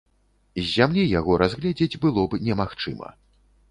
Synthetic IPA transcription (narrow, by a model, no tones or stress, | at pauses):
zʲːamlʲijaɣɔɾazɣlʲɛd͡zʲed͡zʲbɨlˠɔbnʲɛmaxt͡ʂɨ̰mɐ̰